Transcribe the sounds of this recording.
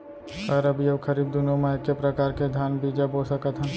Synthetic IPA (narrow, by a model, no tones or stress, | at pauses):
kɐɾəbiɐbkʰəɾiːb̚d̪unomaekːepɾɐkaːɾked̪ʱjaːnbiːd͡ʒaboːsəkət̪ɦə̃n